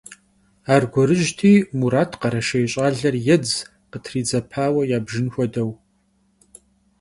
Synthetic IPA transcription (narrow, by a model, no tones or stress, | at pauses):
aːrɡʷɔɾɨʒtʰiːmuɾaːtʰqɐɾɐʃɐjɕʼaːɮɐrjɛd͡z | qətʰriːd͡zɐpʰaːwɐjaːbʒɪnxʷɔdɐw